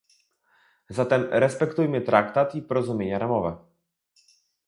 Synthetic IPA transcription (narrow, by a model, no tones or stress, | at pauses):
zat̪ɛmɾɛspɛkt̪ujmɘt̪ɾʔakt̪at̪ipɔɾɔzumʲjeɲaɾamɔvɛ